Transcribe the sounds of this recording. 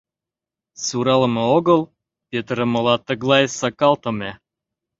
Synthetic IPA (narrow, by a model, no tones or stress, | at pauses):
suɾɑləmɤ̆oɣɤ̆lˠ | pʲet̪ɾə̆mɤ̆lɑt̪ə̆ɣlˠɑjsɑkɑlˠt̪ɤ̆mæ